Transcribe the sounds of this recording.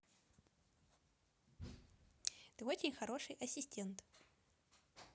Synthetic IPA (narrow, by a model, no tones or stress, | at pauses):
t̪ɨo̞t͡ɕɪnʲxɐɾo̞ʂɨjʔɐsʲɪsʲtʲent̪